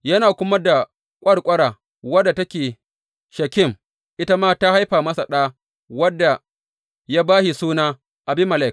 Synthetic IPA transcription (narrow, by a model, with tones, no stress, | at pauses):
jɐ˦naː˨kʷʊ˦mɐ˦da˨ | kʷʼɐ˦ɽkʷʼɐ˦ɽaː˨ | wɐ˦dːa˨tɐ˦kʲeː˨ | ʃɐ˨kʲɪ˦˨m | ʔɪ˦ta˦maː˦ta˦ha˦jɸaː˨mɐ˦sa˨ɗaː˦ | wɐ˦dːa˨ | jaː˦baː˦hi˨suː˦naː˦ | ʔa˨bɪ˦mːɐ˨la˦˨k